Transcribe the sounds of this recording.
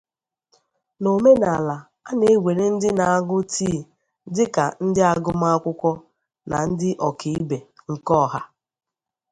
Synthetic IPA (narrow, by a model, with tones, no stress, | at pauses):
no˨me˦na˨la˨ | a˦ne˦we˨ɾe˦n̩˦dɪ˦na˨a˦ɡʊ˦tiː˦˨ | dɪ˦ka˨n̩˦dɪ˦a˨ɡʊ˦m˦a˦kʷʊ˦kʷɔ˦ | na̰˨n̩˦dɪ˦ʔɔ˨ki˨i˦be˨ŋ̩˨kɔ˦˨ɦa˦